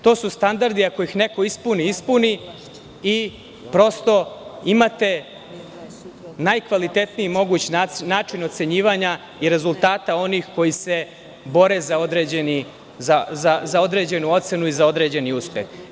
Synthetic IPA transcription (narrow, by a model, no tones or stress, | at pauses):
t̪o̞ːsust̪and̪aɾd̪iako̞ixneko̞ispuniispuni | i | pɾo̞st̪o̞imat̪e̞ | najkʋalit̪e̞t̪nijimo̞ɡuːt͡ɕianaːt͡ʃino̞t̪se̞ɲiːʋaɲa | iɾe̞zulˠt̪aːt̪ao̞nixko̞jise̞ | bo̞ɾe̞zao̞d̪ɾeːd͡ʑeni | zazazao̞d̪ɾe̞ːd͡ʑe̞nuo̞t̪se̞nuizao̞d̪ɾe̞ːd͡ʑe̞niuspjḛx